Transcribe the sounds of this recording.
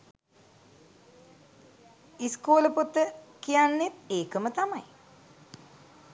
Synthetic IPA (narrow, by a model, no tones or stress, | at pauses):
iskoːləpot̪ːəkijanːet̪eːkəmət̪amaj